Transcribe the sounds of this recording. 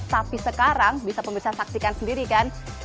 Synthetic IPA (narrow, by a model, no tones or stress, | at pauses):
t̪apisəkaɾaŋbisapəmbəɾsasak̚sikansəndiɾikan